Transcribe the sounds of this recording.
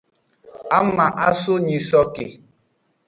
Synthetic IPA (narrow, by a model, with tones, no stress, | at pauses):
a˦m˦ma˨ʔa˦sʊ˦ɲi˨sɔ˦kɪ˨